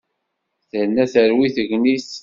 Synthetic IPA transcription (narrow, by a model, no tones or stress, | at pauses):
θənːæθəɾwiθəʝnis